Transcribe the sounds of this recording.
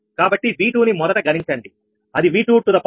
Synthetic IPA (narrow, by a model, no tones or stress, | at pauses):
kaːbɐʈːiʋiːʈuːnimɔɾɐʈɐɡɐniɲt͡ʃɐɳɖi | ɐd̪iʋiːʈuːʈːud̪ɐpː